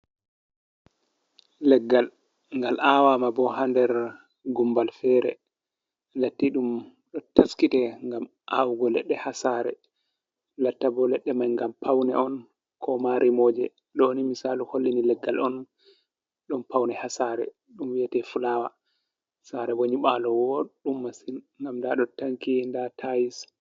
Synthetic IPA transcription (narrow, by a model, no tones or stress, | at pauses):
lɛɡːal | ŋɡalʔawamabɔɦandɛɾ | ɡumbalfɛɾɛ̰ | latːiɗum | ɗɔtaskitɛŋɡam | ʔa̰wɡɔlɛ̰ɗːɛhasaːɾɛ̰ | latːabɔlɛɗːɛmajŋɡampʰawnɛ̰ɔn | kʰɔmaɾʔimɔd͡ʒɛ | ɗonimisaluholːinilɛɡːalɔn | ɗɔmpawnɛhasaɾɛ̰ | ɗumwiɛtɛfulawa | saɾɛwoɲiɓalɔwɔɗumːasin | ŋɡamdaɗɔtaŋkindatʰajis